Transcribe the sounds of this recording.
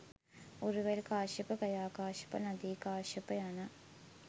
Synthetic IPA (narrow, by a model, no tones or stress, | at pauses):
uɾuʋelkaːʂipɐkɐjaːkaːʃi̥pɐ̰nɐd̪iːkaːʂipɐjanɐ